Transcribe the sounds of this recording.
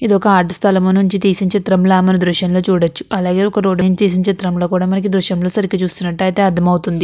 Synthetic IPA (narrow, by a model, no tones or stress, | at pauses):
id̪ɔkɐaːɾʈɐst̪ʰɐlɐmonuɲt͡ʃit̪iːsiɲt͡ʃeːt̪ɾɐmlaːmɐnɐd̪ɾuʃjɐmlo̞ːt͡ʃuːɽɐt͡ʃːu̥ʔɐlaːɡe̞ːɔkɐɾoːɖɐjnt̪iːs̬iɲt͡ʃeːt̪ɾɐmlo̞ːkuːɽaːmɐnɐk̬id̪ɾuʃjɐmlo̞ːsɐɾikit͡ʃuːst̪unːɐʈːɐjt̪eːɐd̪ʰʱɐmɐwut̪und̪i